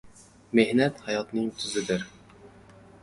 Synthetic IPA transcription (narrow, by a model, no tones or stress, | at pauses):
mehnɛt̪hɑjɑt̪nɨŋt̪ʰyzɪd̪ɪɾ